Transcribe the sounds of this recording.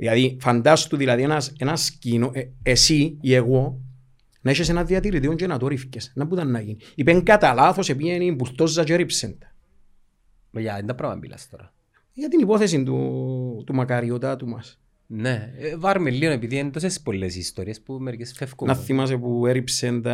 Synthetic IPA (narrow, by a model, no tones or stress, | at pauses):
ðilaðifand̪ast̪uðilɐðienɐsenɐscinoʔeesiːe̞ɣo̞ | nɐeʃesenɐðiɐt̪iɾit̪ioɲt͡ʃenɐt̪oɾifcesnɐmbut̪ɐnːɐʝini | ipeŋɡɐt̪alaθo̞se̞pienimbult̪o̞zːɐt͡ʃeɾipsent̪ | nojaind̪ɐpɾɐvɐ̰mbḭlɐ̰st̪oɾɐ | jɐt̪inipo̞θes̬ind̪ṵt̪umɐkɐɾio̞t̪at̪umɐs | nevɐɾmelːionepiðiend̪os̬espolːesist̪oɾiespumeɾkesfefkonɐθːimɐs̬epueɾipsend̪ɐ